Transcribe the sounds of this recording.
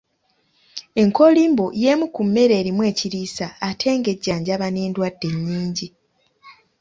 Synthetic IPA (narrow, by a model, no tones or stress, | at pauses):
e̞ŋkʰo̞liːmboje̞mukumːe̞ɾe̞ːɾimwe̞ːciɾiːsaːtʰe̞ːŋɡe̞ɟːaːɲɟaβaneːndwadːe̞ɲːiːɲɟi